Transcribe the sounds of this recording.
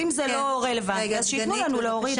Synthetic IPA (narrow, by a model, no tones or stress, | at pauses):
imzelo̞ʁelevatiazʃejitnulanuleoʁi